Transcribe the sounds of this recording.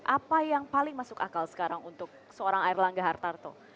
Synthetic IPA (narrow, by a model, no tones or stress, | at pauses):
ʔapajaŋpalɪŋmasʊkakalsə̥kaɾaŋunt̪ʊk̚səoɾaŋaɪrlaŋɡaɦart̪art̪ʊh